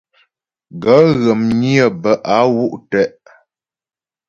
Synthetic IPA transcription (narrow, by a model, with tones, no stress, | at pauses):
ɡə˨˦ɣə˨mɲi˦ə˨bə˨ʔa˨˦wu˦˨ʔtɛ˨˦ʔ